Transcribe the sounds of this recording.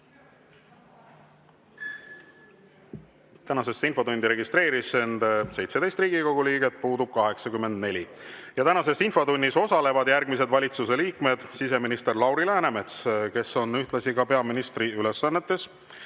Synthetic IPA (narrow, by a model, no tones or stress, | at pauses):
t̪ænɑse̞sːinfo̞t̪und̪iɾe̞ɡist̪ɾe̞ːɾise̞nd̪se̞jt̪se̞d̪e̞jst̪riːɡ̥iko̞ɡ̥uliːɡ̥et̪̚puːd̪ub̥̚kɑɦe̞ksɑkymːe̞nd̪ne̞lʲi | jɑt̪ænɑse̞sinfo̞t̪unʲːiso̞sɑle̞vɑd̪̥jærɡ̥mise̞d̪vɑlʲit̪suse̞liːkme̞d̪̥sise̞minist̪e̞rlɑwɾilæːnemet̪ske̞so̞nyht̪lɑsiɡ̥ɑpe̞ɑminist̪ɾiylesːɑnːe̞t̪ːˑe̞s